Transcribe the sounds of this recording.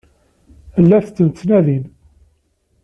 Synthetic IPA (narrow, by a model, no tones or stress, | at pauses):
əlːæθt͡sːənt͡sːnæðin